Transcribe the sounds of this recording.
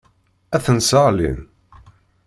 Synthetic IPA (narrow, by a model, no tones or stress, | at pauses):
æθənsəʁlḭn